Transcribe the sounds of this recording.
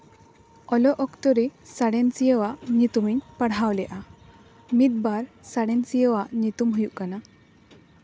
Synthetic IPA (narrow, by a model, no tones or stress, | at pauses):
ɔlɔʔɔkt̪ɔɾesaɽent͡sijeʋaʔɲit̪umiɲpəɽɦawlɛʔa | mid̪̚baɾsaɽent͡sijeʋaʔnit̪umɦujuʔkana